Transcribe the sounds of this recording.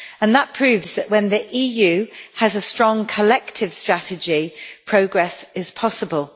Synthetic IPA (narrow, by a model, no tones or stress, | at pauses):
ə̃nðəʔpʰɹ̥ʉːvzðəʔwə̃nðiʔiːjʉːəzəstɹ̥ɒ̃ŋkʰəlɛk̚tʰɪv̥stɹ̥atɪd͡ʒipʰɹ̥əʊɡɹɛsɪz̥pʰɒsəbəlˠ